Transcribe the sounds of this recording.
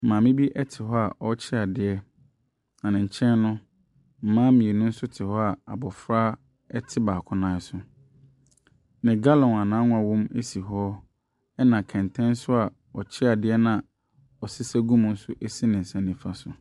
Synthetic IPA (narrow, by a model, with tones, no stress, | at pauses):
m̩˨mãː˨mɪ̃˦bi˦ʔɛ˦tʰɪ˨hɔ˦a˨ʔɔ˦t͡ɕʰɪ˦a˨dɪ˨ɛ˦ | nã˨nɪ̃˨ɲ̩˨t͡ɕʰɛ̃˦n˦nʊ̃˦ | m̩˨mãː˦mĩ˨e˨nʊ̃˦n̩˦sʊ˦tʰɪ˨hɔ˦a˨a˨bɔ˨fɾaː˦ | ɛ˦tʰɪ˦baː˨kʰʊ̃˦nãː˦sʊ˨ | nɪ̃˨ɡa˦lɔ̃˨nã˨nãː˨˦ŋʊ̃˦a˨wɔ̃˦me˦si˨ɦɔ˦ | ɛ˦nã˨kʰɛ̃˨ntʰɛ̃˦nsʊ˦a˨ | ɔ˨t͡ɕʰɪ˦a˨dɪ˦ɛ˦nã˨ | ɔ˨sɪ˦sɛ˦ɡũ˦m̃˨n̩˦sʊ˦ʔe˦si˦nɪ̃˨n̩˨sɛ̃˨nɪ̃˨fa˦sʊ˨